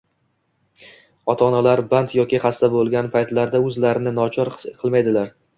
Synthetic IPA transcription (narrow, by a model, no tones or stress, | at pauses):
ɒt̪ʰɒnalaɾbant̪jɒkʲɪχast̪abolˠɡʲanpʰajt̪laɾd̪aɵzlaɾɪnɪnɒt͡ʃʰɒɾqʰɨlˠmajd̪ɪlaɾ